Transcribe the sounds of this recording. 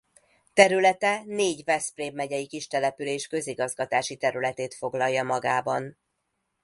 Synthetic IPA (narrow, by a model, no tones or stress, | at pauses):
t̪ɛɾylɛt̪ɛneːɟvɛspreːbmɛɟɛjikiʃt̪ɛlɛpyleːʃkø̞ziɡɒzɡɒt̪aːʃit̪ɛɾylɛt̪eːt̪fo̞ɡlɒjːɒmɒɡaːbɒn